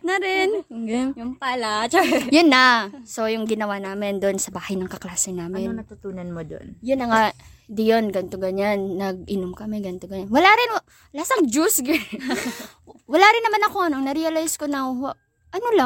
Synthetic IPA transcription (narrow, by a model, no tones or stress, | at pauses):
nɐɾɛnjʊŋpalat͡ʃjʊnːɐso̞jʊŋɡɪnɐwaːnaːmɪnd̪onsɐbaːhɐjnɐŋkɐklaːsɛnaːmɪnnɐt̪ʊt̪uːnɐnmod̪o̰njʊnːɐŋad̪ijonɡɐnt̪oɡɐɲanːɐɡ̚ʔɪnomkɐmɛɡɐnt̪oɡɐɲanwɐlaɾɪnw | lasɐŋd͡ʒusɡɛ | wɐlaːɾɪnːɐmanɐko̞nɐŋnɐɾɛɐlajskonɐw | ʔɐnola